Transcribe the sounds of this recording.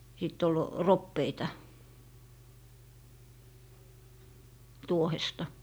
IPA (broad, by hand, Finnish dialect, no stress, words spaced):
sit ol ropːeitɑ tuohestɑ